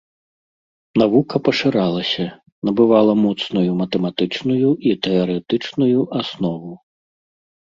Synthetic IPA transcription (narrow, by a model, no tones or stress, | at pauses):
navukɐpɐʂɨɾalˠɐsʲɐ | nɐbɨvalˠɐmɔt̪snujumɐt̪ɛmat̪ɨt͡ʂnujuʔit̪ɛɐɾɛt̪ɨt͡ʂnujuʔasnɔvu